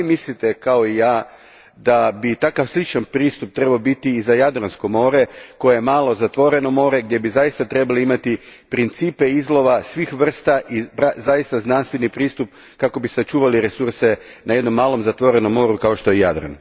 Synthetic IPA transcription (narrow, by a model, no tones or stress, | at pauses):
imislit̪e̞kao̞ijaː | d̪abit̪akaʋslˠit͡ʃanpɾiːst̪up̚t̪ɾe̞baobit̪iːzajad̪ɾansko̞mo̞ːɾe̞ko̞jejemaːlo̞zat̪ʋo̞ɾe̞no̞mo̞ːɾe̞ɡd̪je̞bizajist̪at̪ɾe̞baloimat̪ipɾint̪siːpe̞izlˠo̞ʋasʋixʋr̩st̪aʔibɾazajist̪aznanst̪ʋe̞nipɾiːst̪up̚ | kako̞bisat͡ʃuːʋaliɾe̞suɾse̞ | naje̞d̪no̞mːaːlˠo̞mzat̪ʋo̞ɾe̞no̞mːo̞ːɾukao̞ʃt̪o̞jeja̰d̪ɾa̰n